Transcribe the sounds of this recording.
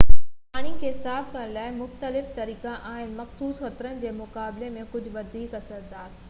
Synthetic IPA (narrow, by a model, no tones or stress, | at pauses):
ɦaːɽ̃ikʰeːsaːbkɐəñlaːɪmʊxt̪əlɪft̪ɐɾiːkãʔaːɦɪnɪ̆mɐxsuːsxɐt̪ɾənɪ̆d͡ʑeːmʊkaːblemẽkʊd͡ʑʱʊʋɐd̪ʱiːkɐsəɾd̪aːɾ